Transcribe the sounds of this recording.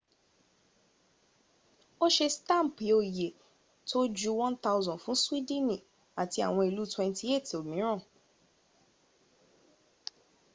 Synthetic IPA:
o˦ʃe˧stã˦˨pi˨˦o˨je˨ | tʰo˦d͡ʒu˦wɔ̃˦nta˧ʊ˧zɔ̃˨fũ˨˦swi˦dĩ˦nĩ˨ | a˨ti˧a̰˨w̃ɔ̃˧i˨lu˦twɛ̃˧nti˦e˦˨to˨mĩ˨˦ɾ̃ã˦˨

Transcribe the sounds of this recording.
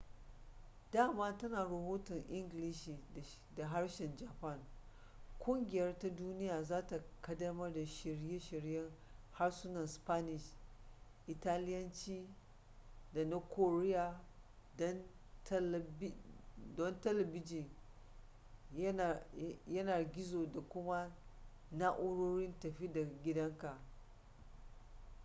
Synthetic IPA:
daː˦˨maː˦tɐ˦naː˨ɾɐ˨ɦoː˦tɔ˨ŋʔɪ˦ŋɡlɪ˦ʃiː˨ | da˨ɦa˦ɽʃɛ˨nd͡ʒaː˨pɐ˦˨ŋ | kʷʊ˦ŋɡʲɪ˨jɐ˦rta˦duː˦nɪ˦jaː˨zaː˦ta˨kɐ˦dɐ˦mɐ˦rda˨ʃɪ˨ɽje˦ʃɪ˨ɽjɛ˦ŋha˦rsʊ˦nɐ˨nspa˦nɪ˨ʃ | ʔɪ˨taː˦lɪ˦jɐ˦nt͡ʃiː˦ | da˨na˦ko˨ɾɪ˦ja˨ | dn | tdɔ˦ntɛ˦lɐ˨bɪ˦d͡ʒɪ˨n˦˨ | jɐ˦naː˨ɡʲɪ˦zoː˨da˨kʷʊ˦ma˦ | na˦ʔʊ˦ɽoː˦ɽɪ˦ntɐ˨ɸi˦da˨ɡʲɪ˦dɐ˦ŋka˨ʔ

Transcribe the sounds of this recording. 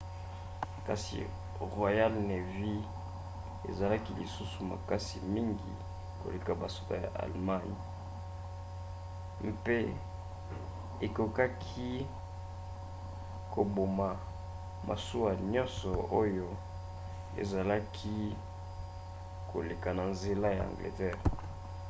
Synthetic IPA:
ka̰˨sḭ˨ | ʁwa˨ja˦lne˨vi˦ | ḛ˨za˨la˦ki˦li˨su˦su˨ma̰˨ka˦si˨mi˦ŋɡḭ˨ | ko̰˨le˨ka˨ba˨su̥˦ta˦˨ja̰˨ʔa̰˨lma˦ni˨ | m˦pe˦ | e˨ko˨ka˦kʰi˦ | ko˨bo˨ma˨ | mʔa̰˨su˦wa˨ɲɔ̃˦nsɔ˨o˦jo˦ | ḛ˨za˨la˦kʰi˦ | kʰo̰˨le˨ka˨na˨nze˨la˦ja˨ã̰˨ŋɡlḛ˨tɛ˦˨ʁ

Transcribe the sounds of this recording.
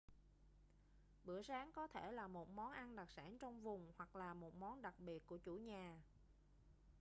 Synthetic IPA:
ɓɨ̰˧˩əsaː˨˦ŋkɔ˨˦t̪ʰe˧˩laː˨˩mo˨˩t̚mɔ˨˦nʔa˧nɗa˨˩k̚sa̰ː˧˩nt͡ɕɔ˧wŋ͡mvʊ˨˩ŋ͡mhwa˨˩k̚laː˨˩mo˨˩t̚mɔ˨˦nɗa˨˩k̚ɓi˨˩ət̚ku˧˩ət͡ɕu˧˩ɲaː˨˩

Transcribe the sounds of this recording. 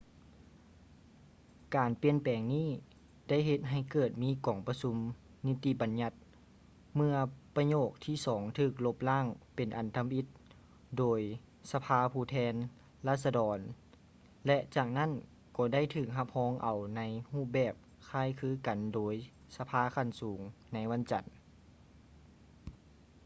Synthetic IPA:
kaː˨npi˧˥ənpɛː˨˩ŋniː˥˩ | da˥˩jɦe˧t̪̚ɦa˧˩jkɤː˨˩t̪̚miː˧˥˨kɔː˨˩ŋpa˧su˧˥m | ni˦˥t̪i˧ba˨nɲa˧˥t̪̚ | mɯ˧ɐpa˧ɲoː˧˩k̚t̪ʰiː˧˩sɔː˩˦ŋt̪ʰɯː˧˩k̚lo˧˥p̚laː˥˩˨ŋpe˨˩nʔa˨˩nt̪ʰa˧mʔi˧˥t̪̚ | doː˨˩j | sa˧pʰaː˧˥pʰuː˧˩t̪ʰɛː˧˥n | laː˧˥˩t̪̚sa˧dɔː˨˩n | lɛ˧ʔt͡ɕaː˨˩k̚na˥˨n | kɔː˧˩da˥˨jt̪ʰɯː˧˩k̚ɦa˧˥p̚hɔː˧˥ŋʔa˨˩wna˧˥jhuː˥˩bɛː˨˩p̚ | kʰaː˧˩˨jkʰɯː˧˥ka˨˩ndoː˨˩j | sa˧pʰaː˧˥kʰa˧˩˨nsuː˨˩˦ŋna˧˥jʋa˧˥˨nt͡ɕa˨˩n

